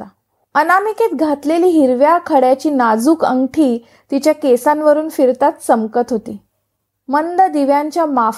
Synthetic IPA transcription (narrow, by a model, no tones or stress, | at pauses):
a | ənamiket̪ɡʱat̪leliːɦiɾʋjakʰəɽjat͡ɕiːnad͡zuːkə̰ŋɡʈʰiː | t̪it͡ɕjakesãnʋəɾuːnfiɾt̪at̪səmkət̪ɦot̪iː | mənd̪əd̪iʋjaɲt͡ɕjama